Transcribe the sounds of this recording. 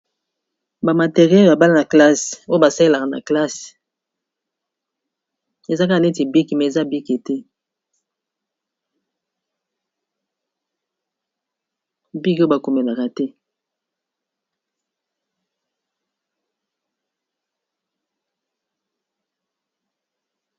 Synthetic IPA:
ba˨ma˨te˨ʁjɛ˦˨ba˨ba˦la˦na˨kla˦so˦ba˨sa˦le˦la˨ka˨na̰˨kla˦s | e˨za˦ka˦a˨e˦ti˨bi˦ki˨mɛ˨za˦bi˦ke˨tɛ˦ | bi˦ko˦ba˨ko˨me˨la˨ka˨tɛ˦

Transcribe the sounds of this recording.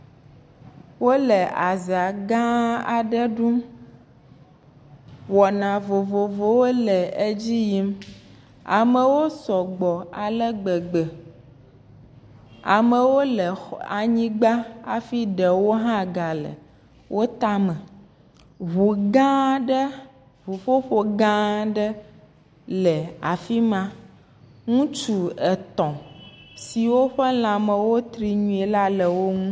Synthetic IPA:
wo˦lə˨ʔa˨ze˨a˨ɡã˦a˨ɖə˦ɖu˦m | wɔ˨nã˨vo˨vo˨vo˨wo˦lɛ˨e˦d͡ʑi˦ji˦m | a̰˨mə˦wo˦sɔ˨ɡ͡bɔ˨a˨lə˦ɡ͡bɛ˨ɡ͡bɛ˨ | a̰˨mə˨wo˦lə˨a˨ɲĩ˦ɡ͡ba˦a̰˨fi˦ɖə˨wo˦ɦã˦ɡa˨lə̰˨ | wʔo˦t̪a˦mə̃˨ | βu˨ɡã˦ɖə˦ | βu˨ɸo˦ɸo˦ɡã˦ɖə˦ | lə˨a˨fi˦mã˦ | ŋũ˦t͡ʃu˨ɛ˨t̪ɔ̃˨si˨wo˦ɸə˦l̃ã˨mə˨wo˦t̪ɾi˨ɲũ˨˦e˨la˦lə˨wo˦ŋũ˦

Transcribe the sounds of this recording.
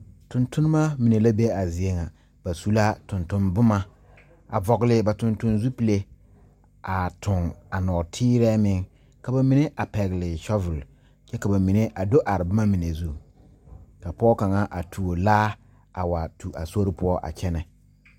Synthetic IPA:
tʊ˨ntʊ˦nɪ˦ma˦mi˨ne˨la˦be˦a˨zɪ˨e˦ŋa˨ | b̥a˨su˨la˦tʊ˨ntʊ˦nbʊ˦ma˦ | a̰˨vɔ˨ɡlɪ˨ba˨tʊ˨ntʊ˦nzu˦pi˨le˦ | a˨tʰʊ˨ŋa˨nɔː˨tʰiː˦ɾɛː˦mɪ˦ŋ | ka˨ba˨mi˨ne˦ʔa˨pɛ˨ɣɪ˨lɪ˨ʃɔ˦vʊ˨l | t͡ʃɛ˦ka˨ba˨mi˨ne˦ʔa˨do˦ʔa˨ɾɪ˨bʊ˦ma˦mi˨ne˨zu˦ | ka˨pɔː˦ka˨ŋa˦ʔa˨tʰu˨o˨laː˦ | a˨wa˨tʰu˨a̰˨so˦ɾɪ˦pʊ˦ɔ˦ʔa̰˨t͡ʃɛ˦nɛ˨

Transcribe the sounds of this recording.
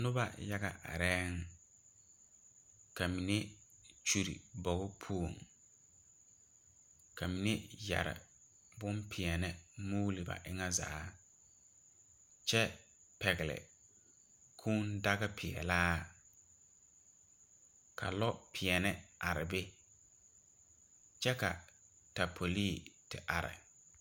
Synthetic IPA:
nʊ˦ba̰˦ja˦ɣa̰˨ʔa̰˨ɾɛ˦ŋ | ka˨mi˨ne˦ | t͡ʃu˨ɾḭ˨bɔ˨ɣʊ˦pʰu˦o˨ŋ | kʰa˨mi˨ne˦ja̰˨ɾɪ̰˨ | bʊ˦mpʰɪ˨ɛ˨nɪ˦muː˦lɪ˨ba̰˨ʔɪ˦ŋa˦za̰ː˨˦ | t͡ʃɛ˦ | pɛ˨ɣɪ˨lɪ̰˨ | kʰuː˦nda˦ɣɪ˦pʰɪ˨ɛ̰˨laː˦ | kʰa̰˨lɔ˦pʰɪ˨ɛ˨nɪ˦ʔa˨ɾɪ˨be˦ | t͡ʃɛ˦ka˨ | ta˨pʰo˨liː˦˨tɪ˨ʔa˨ɾɪ̰˨

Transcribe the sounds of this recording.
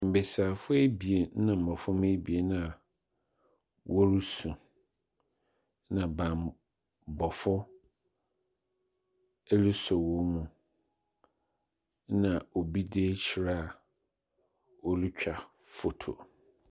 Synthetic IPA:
m̩˨be˨saː˨fʊ˦e˦bi˨e˨˦nã˨m̩˨ɔ̃˨fʊ˦m˦e˦bi˨e˨nã˦˨ | wʔɔ˦ɾu˦sũ˨ | nã˨bã˨m | bɔ˨fʊ˦ | ɛ˦li˦sɔ˨wɔ˦nũ˨ | nã˨o˨bi˦deː˦t͡ɕʰɪ˨ɾa˦a˨ | o˨li˦t͡ɕᶣa˨ | fo˨tʰo̰˨

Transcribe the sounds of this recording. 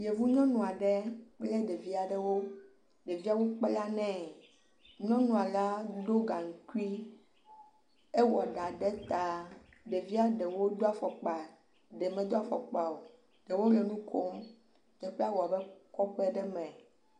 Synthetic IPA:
je˨vu˦ɲɔ̃˦nũ˨a˨ɖɛ˦k͡ple˦ɖe˨vi˦a˨ɖɛ˨wo˦ | ɖe˨vi˦a˦wo˦k͡pe˦la˦nɛ̃˨˦ | ɲɔ̃˦nũ˨a˨la˦d̪o˦ɡa˨ŋ̩˨ku˦i˦ | e˦wɔ˨ɖa˨ɖɛ˦t̪a˨ | ɖe˨vi˦a˦ɖɛ˨wo˦d̪o˦a˨fɔ˨k͡pa˨ | ɖe˨mɛ̃˨d̪o˦a˨fɔ̰˨k͡pa˨o˨ | ɖe˨wo˦le˨nũ˦kʰo˦m | d̪ɛ˨ɸe˦a˦wo˨a˨bɛ˦kɔ˦ɸɛ˦ɖɛ˦mɛ̃˨

